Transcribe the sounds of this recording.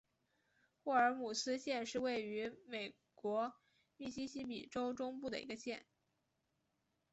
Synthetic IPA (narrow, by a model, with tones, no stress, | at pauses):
xwɔ˥˩ə˞˧˥mu˨˩sɹ̩˥ɕjɛ˥˧nʂɻ̩˥˧we˥˩ɪy˧˥me˨˩ɪ | kwɔ˧˥ | mi˥˩ɕi˥ɕi˥pḭ˨˩ʈ͡ʂo˥ʊʈ͡ʂʊ˥ŋpu˥˩d̪ə̰˩ḭ˧˥ɡə˧ɕjɛ˥˩n